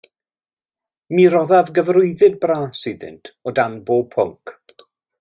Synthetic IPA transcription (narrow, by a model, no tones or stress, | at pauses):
miɾɔðavɡəvrʊɨðɨd̚braːsɨðɪ̰ntʰɔdanboːb̚pʰʊŋk